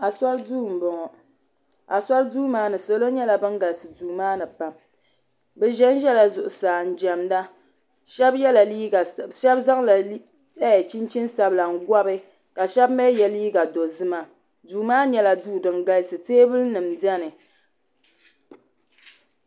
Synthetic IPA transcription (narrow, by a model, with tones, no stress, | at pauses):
a˨sa˦lduː˦˨m̩˨bɔ˨ŋɔ˨ | a˨sa˦lduː˦maː˦nɨ˨so˦lo˦ɲɛ˦la˨bɨ˦ŋɡa˨lsɨ˨duː˨maː˦nɨ˨pa˨m | bɛ˨ʒɛ˦n˦ʒɛ˦la˨zʊ˨ʔʊ˨saː˨n̩˨d͡ʒɛ˨mda˦ | ʃɛ˦bjɛ˦la˨liː˦ɡa˨ʃɛ˦bza˦ŋla˨˦ | ɛ˦˨t͡ʃi˦nt͡ʃi˦nsa˦bla˨ŋ̩˦ɡʷa˦bɨ˦ | ka˨ʃɛ˦bmɛ˦jɛ˨liː˦ɡa˨do˨zɨ˦ma˨ | duː˨maː˦ɲɛ˦la˨duː˦dɨ˨ŋɡa˦lsɨ˨teː˦bɨ˦lnɨ˨mdɛ˦nɨ˨